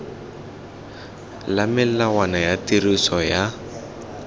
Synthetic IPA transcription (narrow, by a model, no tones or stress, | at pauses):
lamɪl̩lawanajatirisɔja